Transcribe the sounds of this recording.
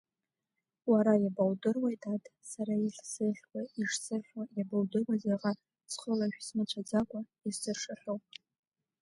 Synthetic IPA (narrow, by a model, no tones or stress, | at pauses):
waɾajabawdɨrwajtʰʼatʼsaɾaiɬsɨχʲkʷaiʂsɨrħajabawdɨrwazeʁa | sχəlaʃᶣsmɨt͡ɕʷʰad͡zakʷʼaizsɨrʂaħʲʷᶣowpʼ